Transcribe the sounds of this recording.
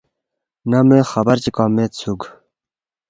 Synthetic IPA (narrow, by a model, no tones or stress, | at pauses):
namẽxɐbɐɾt͡ɕikɑmẽːtt͡sʰuɡ